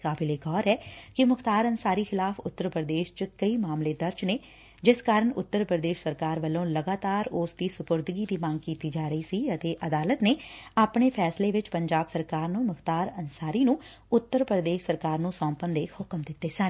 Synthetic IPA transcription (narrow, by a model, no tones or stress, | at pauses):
kaːbɪleːɡɔːɾɛːkɪmʊkt̪aːɾənsaːɾiːxʰɪlaːpʰʊt̪ːəɾpɾəd̪eːʃt͡ʃkəiːmaːmleːd̪əɾd͡ʒneː | d͡ʒɪskaːɾəɳʊt̪ːəɾpɾəd̪eːʃsəɾkaːɾʋəlːõːləɡaːt̪aːɾʊːsd̪iːsʊpʊɾd̪ɪɡiːd̪iːmə̃ŋɡkiːt̪iːd͡ʒaːɾəiːsiːət̪eːʔəd̪aːlət̪neːaːpɳeːpʰɛːsleːʋɪt͡ʃpəɲd͡ʒaːbsəɾkaːɾnũːmʊkʰt̪aːɾənsaːɾiːnũː | ʊt̪ːəɾpɾəd̪eːʃsəɾkaːɾnũːsɔ̃ːmpənd̪eːhʊkəmd̪ɪt̪ːeːsən